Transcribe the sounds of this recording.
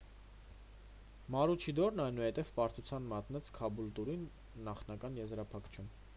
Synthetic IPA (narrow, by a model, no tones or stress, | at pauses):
mɑɾut͡ʃʰid̪ɔɾnɑjnuhɛt̪ɛvpɑɾt̪ʰut͡sʰjɑnmɑt̪nɛt͡skʰɑbult̪uɾinː | ɑχnɑkɑnjɛzɾɑpʰɑkʰt͡ʃʰum